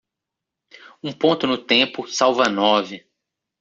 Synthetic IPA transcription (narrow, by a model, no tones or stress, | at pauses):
ũpõnt̪ʊnʊt̪ẽpʊsawvɐnɔvɪ